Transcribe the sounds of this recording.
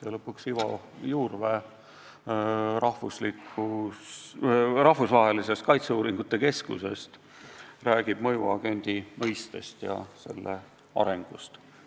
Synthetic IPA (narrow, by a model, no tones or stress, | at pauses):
selɤpːˑuksivɑ̰ | juːrve | rʔɑhvusliku | rɑhfusvɑɦe̞lise̞st̪kɑjt̪seuːɾiŋɡ̥ut̪ːe̞ke̞skṵse̞̰st̪ | ræːɡ̥ib̥mɤjuɑɡ̥e̞nʲd̪̥imɤjst̪e̞st̪jɑ̰se̞̰lːe | ɑ̰ɾe̞ŋɡ̥ust̪